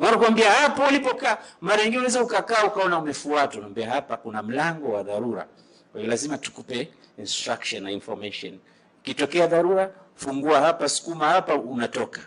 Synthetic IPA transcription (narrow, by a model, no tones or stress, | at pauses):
anakuwambiahapaalipɔkamaɾaɲiŋɡinɛunɛzaukakaːukaɔnaumɛfuatwaunwambiahapakunam̩laŋɡɔwaðaɾuɾa̰ | kwaiɔlazimatu̥kupɛ | instɾakʃɔnːainfɔɾmaʃɔ̰n | kitɔkɛaðaɾuɾa | fuŋɡuahapasu̥kumahapaunatɔkḁ